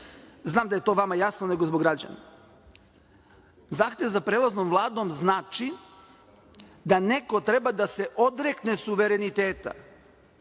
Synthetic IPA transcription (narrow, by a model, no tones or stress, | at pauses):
znaːmd̪aje̞t̪o̞ːʋamajasnone̞ɡozboɡɾad͡ʑa̰na̰ | zaːxt̪e̞ʋzapɾeːlˠaznomʋlˠaːd̪o̞mznaːt͡ʃi | d̪ane̞ko̞t̪ɾe̞bad̪ase̞ʔo̞d̪ɾe̞knesuʋe̞ɾe̞nit̪eːt̪a̰